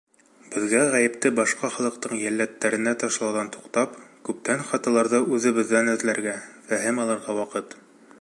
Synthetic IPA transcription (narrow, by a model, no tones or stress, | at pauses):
b̥ɘ̆ðɡæʁæjɘ̆pt̪ɘbɒʃqɑχɑlˠɤ̆qt̪ɤɴjælːæt̪ːæɾɘ̆næt̪ɑʃlˠɑwðɑnt̪u̥qt̪ɑpkʉp̚t̪ænχɑt̪ɑlˠɑɾðɤʉðɘ̆βɘ̆ðːænɵ̆ðlæɾɡæfæɦɘmɒlˠɤɾʁɑwɑqɤt̪